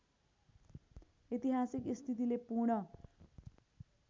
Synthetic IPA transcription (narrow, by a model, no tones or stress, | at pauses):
et̪iɦasikist̪ʰit̪̬ilepuɾɳʌ